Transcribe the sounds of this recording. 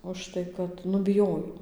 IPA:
ʊʃˈtɐɪ kɐt ˈnʊ bʲɪˈjoːjoː

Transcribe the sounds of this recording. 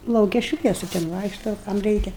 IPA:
lˠɐʊˈkʲɛ ˈʃʲʋʲiɛsʊ tʲɛn ˈʋɐɪkʃtoː kɐm ˈrʲɛɪkʲɛ

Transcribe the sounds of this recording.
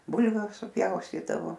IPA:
ˈbʊlʲʋʲʊ sʊˈpʲjɛʊsʲtʲiːdɐʋoː

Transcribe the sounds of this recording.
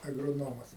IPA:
ɐɡroːˈnoːmɐs

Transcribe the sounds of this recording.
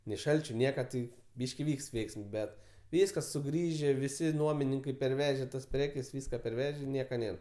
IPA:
nʲɛɪ ˈʃɐlʲt͡ʃʲʊ ˈnʲiɛkɐ tɐɪ ˈbʲiːʃʲkʲɪ ˈʋʲiːkst ˈʋʲɛɪksms ˈbʲɛt ˈʋʲiːskɐs sʊˈɡrʲiːʒʲeː ˈʋʲɪsʲɪ ˈnuɔmʲɪnʲɪŋkɐɪ pʲɛrʲˈʋʲæːʒʲɛ tɐs ˈpʲrʲæːkʲɛs ˈʋʲiːskɐ pʲɛrʲˈʋʲæːʒʲɛ ˈnʲiɛkɐ ˈnʲeːr

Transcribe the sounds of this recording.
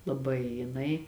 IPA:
lˠɐˈbɐɪ jɪˈnɐɪ

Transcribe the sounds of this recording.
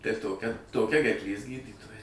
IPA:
tɐɪ ˈtoːkʲɛ toːˈkʲɛ ɡʲɛrkˈlʲeːs ˈɡʲiːdʲiːtoːjɛ

